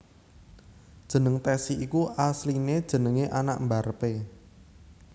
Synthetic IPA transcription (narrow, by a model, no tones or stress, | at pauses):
d̥ʒ̥ə̤nəŋt̪ɛsiʔikuʔaslined̥ʒ̥ə̤nəŋeʔana̰ʔmbarəpe